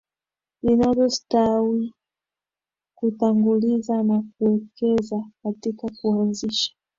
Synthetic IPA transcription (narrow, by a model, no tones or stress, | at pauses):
inavɔstawi | kutaŋɡulizanak̚uɛkɛzakatikakuanziʃḁ